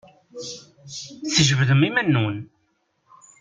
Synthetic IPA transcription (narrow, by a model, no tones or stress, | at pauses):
θəʒəvðəmimænːun